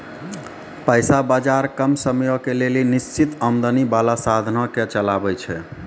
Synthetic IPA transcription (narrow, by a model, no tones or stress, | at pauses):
pəjsabad͡ʒaɾkəmsəmjɔkelelinist͡ʃit̪əmd̪ənibalasad̪ʱnɔket͡ʃəlabɛt͡ʃʰɛ